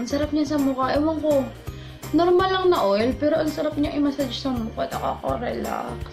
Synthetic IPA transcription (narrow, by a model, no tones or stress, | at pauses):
ɐŋsɐɾap̚ɲasɐmʊkaʔɛwɐŋko | noɾmalːɐŋnɐʔojlpɛːɾoʔɐŋsɐɾap̚ɲaʔɐjmasad͡ʒsɐmukaɐt̪ɐkoa̰ʔɐko̰ɾɛla̰ks